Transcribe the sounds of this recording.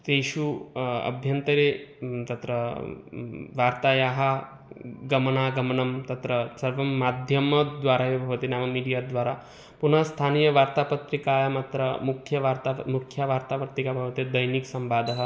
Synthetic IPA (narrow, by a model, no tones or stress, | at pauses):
t̪eʃuɐ̰bʱjɐnt̪ɐɾet̪ɐt̪ɾɐ | ʋaːɾt̪aːjaːɦɐ | ɡɐmɐnaːɡɐmɐnɐmt̪ɐt̪ɾɐsɐɾʋɐmːaːd̪ʱjɐmɐd̪ʋaːɾaːjebʱɐʋɐt̪inaːmɐmiːɖijaːd̪ʋaːɾaː | punɐst̪ʰaːniːjɐʋaːɾt̪aːpɐt̪ɾikaːjɐmaːt̪ɾɐmukʰjɐʋaːɾt̪amukʰjaʋaːɾt̪aːʋɐɾt̪ikabʱɐʋɐt̪ed̪ɐjniksɐmbaːd̪ɐɦɐ̆